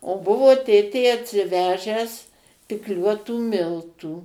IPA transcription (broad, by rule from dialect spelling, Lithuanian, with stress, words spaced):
oː ˈbʊʋoː ˈtʲeːtʲeː ɐtʲsʲɪˈʋʲæːʒʲæːs pʲɪkˈlʲuɔtuː ˈmʲɪlˠtuː